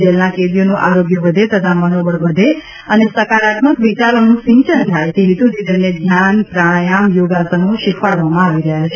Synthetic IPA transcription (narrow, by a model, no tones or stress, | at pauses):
d͡ʒelnakeʋijonũʔaɾoɡjəʋəd̪ʱet̪ət̪ʰamənobəɭʋəd̪ʱe | ənesəkaɾat̪məkʋit͡ʃaɾonũsĩɲt͡ʃənt̪ʰajt̪eɦit̪ũd͡ʒid̪əned̪ʱjanpɾaɭjamjoɡasənõʃikʰfaɭʋamãaʋiɾəɦjat͡ʃʰe